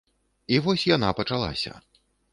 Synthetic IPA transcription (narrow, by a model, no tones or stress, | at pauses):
ivɔsʲjan̪apɐt͡ʂalˠa̰sʲɐ̰